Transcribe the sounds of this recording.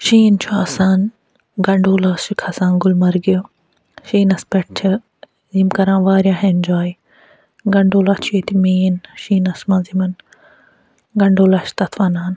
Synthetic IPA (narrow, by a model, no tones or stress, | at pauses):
ʃiːnt͡ʃʰuaːsaːn | ɡɐɳɖoːlɐːsikʰɐsãːnɡʊlmɐɾɡio | ʃiːnɐspeʈ̚t͡ʃʰɐ | zimkɐɾãːnʋaːɾʲjãːɦend͡ʒaːi | ɡɐɳɖoːlɐt͡ʃʰet̪imeːnʃiːnɐsmãːzimɐn | ɡɐɳɖoːlɐʃt̪ɐt̪ʰfaːnaːn